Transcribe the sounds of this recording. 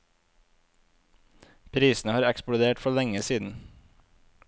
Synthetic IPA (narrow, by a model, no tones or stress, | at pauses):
pʰɾiːsn̩əhɑːɾɛksplʊd̪eːʈfɔlɛŋəsiːd̪n̩